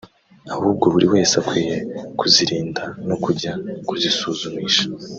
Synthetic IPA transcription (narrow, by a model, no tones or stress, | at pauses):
ahuːb̚ɡo̞βuɾiwe̞ːsakwiːje̞kuziɾiːndano̞kuɾɟakuzisuːzumiːʃḁ